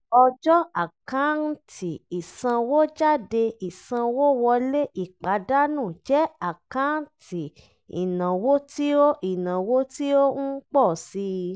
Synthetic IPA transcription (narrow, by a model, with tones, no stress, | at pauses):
ɔ˧d͡ʒɔ˦a˨kã˨˦n̩˦tʰi˨i˨sã˧wo˦d͡ʒa˦˨de˧i˨sã˧wo˦wɔ˧le˦ʔi˦˨k͡pa˨˦da˦nũ˦˨d͡ʒɛ˨˦a˦˨kã˨˦n̩˦tʰi˨ | ḭ˨nã˨wo˦ti˦o˦i˨nã˨wo˦ti˦o˦n̩˦k͡pɔ˦˨si˧˦